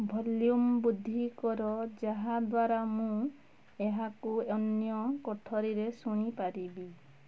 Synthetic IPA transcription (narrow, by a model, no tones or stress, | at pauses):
bʱɔljumbud̪ʱːikɔɾɔd͡ʒaɦad̪waɾamũ | eɦakuɔnjɔkɔʈʰɔɾiɾesuɽ̃ipaɾibi